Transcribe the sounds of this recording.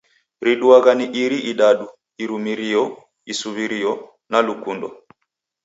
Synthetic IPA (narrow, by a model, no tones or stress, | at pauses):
ɾiɗuaɣaniʔiɾiʔiɗaɗu | iɾumiɾijɔ | isuβiɾijɔ | nalukundɔ̰